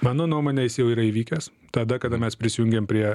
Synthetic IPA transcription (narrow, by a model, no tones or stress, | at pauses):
mɑːnoːnuɔmoːnʲeːjɪsjɛʊiːɾɐiːʋʲiːkʲɛs | t̪ɐd̪ɐkɐd̪ɐmʲɛspʲɾʲɪsʲɪjʊŋʲɡʲeːmpʲɾʲiɛ